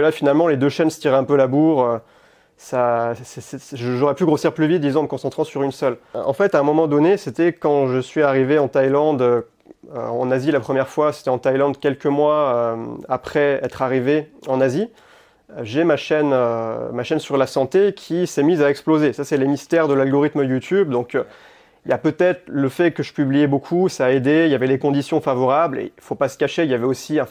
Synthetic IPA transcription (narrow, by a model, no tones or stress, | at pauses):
lafinalmɑ̃led̪øʃɛnsə̥t̪iʁɛɛ̃pølabuʁø | sasɛsɛʒəʒoʁɛpyɡʁosiʁplyvit̪̚d̪izɔ̃ɑ̃məkɔ̃sɑ̃t̪χɑ̃syʁynsœlɑ̰̃fɛt̪aɛ̃mɔmɑ̃d̪ɔneset̪ɛkɑ̃ʒəsɥiaʁiveɑ̃t̪ajlɑ̃d̪ø | ø̰ɑ̃nazilapχəmjɛʁfwase̥t̪ɛɑ̃t̪ajlɑ̃d̪kʲɛlkəmwaømapχɛɛt̪χaʁiveɑ̃nazi | ʒemaʃɛnømaʃɛnsyʁlasɑ̃t̪ekʲʰisɛmizaɛksplozesasɛləmist̪ɛʁd̪əlalɡɔʁit̪məjut̪ybd̪ɔ̃kø | iljapøt̪ɛt̪χləfɛkəʒəpyblijɛbokʰusaːed̪eiljavɛlekɔ̃d̪isjɔ̃favɔʁablḛfopasə̥kaʃeiljavɛosiɛ̃